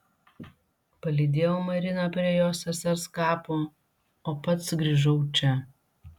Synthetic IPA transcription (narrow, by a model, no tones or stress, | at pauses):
pɐlʲid̪ʲeːjomɐɾʲɪnɐpʲɾʲiɛjoːsɐsɐɾskɑːpoː | oːpɐt̪sɡɾʲiːʒɐʊt͡ʃʲɛ